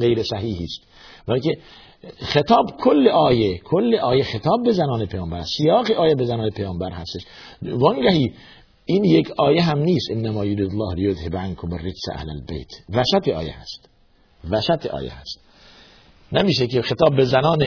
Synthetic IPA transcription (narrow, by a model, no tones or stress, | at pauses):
ɣejɾesæɦiːhiːst̪ | bæke | xet̪ʰɒːbkʰolːeʔɒːjekʰolːeʔɒːjexet̪ʰɒːb̚ːezænɒːnepʰejɒːmbæɾssijɒːɣeʔɒːjebezænɑːnepʰejɒːmbæɾhæst̪eʃ | vɑŋɡæhiː | iːnjekʰɒːjeɦæmniːst̪ʔenːæmɒːjoɾid̪lˠːɑːhlejod̪hebʕankʰomerːet̪sæ̰hlæ̰lbḛjt̪ʰvæʃæt̪ʰeɒ̰ːjḛhæ̰st̪ | væʃæt̪ʰeʔɒ̰ːjḛhæ̰st̪ | næmiːʃekexet̪ɒːbːezænɒːne